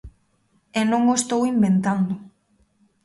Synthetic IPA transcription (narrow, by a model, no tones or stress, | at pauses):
enõŋost̪owimbent̪and̪ʊ